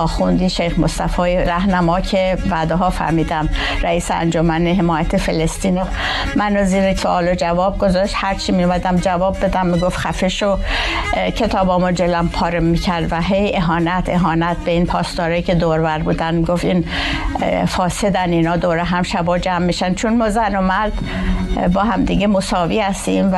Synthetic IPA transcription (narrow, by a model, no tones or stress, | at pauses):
xund̪iːʃejxmost̪æfɒːjiɾæhnæmɒːcʰevæːd̪eɦɒːfæ̰ɾmiːd̪æmɾæiːseæ̰nd͡ʒomæneɦemɒːjæt̪ʰefelest̪iːno | mænoziːɾesoʔɒːlod͡ʒævɒːb̚ɡo̞zɒːʃt̪hæɾt͡ʃʰimijumæd̪æmd͡ʒævɒːb̚ːe̞d̪æmːiɡofxæfeʃo | cʰe̞t̪ʰɒːbɒːmod͡ʒelæmpʰɒːɾemicʰæɾd̪væɦe̞je̞ɦɒːnæt̪ʰeɦɒːnæt̪ʰbeinpʰɒːst̪ɒːɾɒːicʲʰe̞d̪oːɾvæɾbuːd̪ænmiɡoft̪in | fɒːse̞d̪æninɒːd̪oːɾeɦæmʃæbɒːd͡ʒæmːiʃænd̪t͡ʃʰonmɒːzænomæɾd̪ | bɒːɦæmd̪iːɡemosɒːviːhæst̪imv